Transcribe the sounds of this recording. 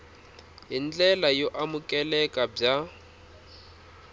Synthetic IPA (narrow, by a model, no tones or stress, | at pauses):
ɦind͡ɮɛlajoʔamukʼɛlɛkʼab͡ʐa